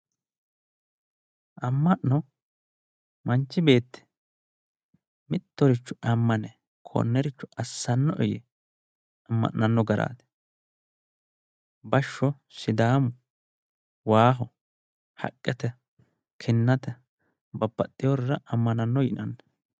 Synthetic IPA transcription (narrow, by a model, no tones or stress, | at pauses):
ʔɐmːɐʔnɔ | mɐnt͡ʃːɪbe̞ːt̪ːɛ̥ | mɪt̪ːɔɾɪt͡ʃːʊʔɐmːɐnɛ | kʰo̰nːɛɾɪt͡ʃːʊʔɐsːɐnːɔʔɔjɛ | ɐmːɐ̰ʔnɐnːɔɡɐɾa̰ːt̪ɛ̥ | bɐʃːɔ | sɪd̪aːmʊ | waːɦɔ | hɐ̰kʼːɛt̪ɛ | kʰɪnːɐt̪ɛ | bɐpːɐt̪ʼːɪjɔrːɐʔɐmːɐnɐnːɔjɪnɐnː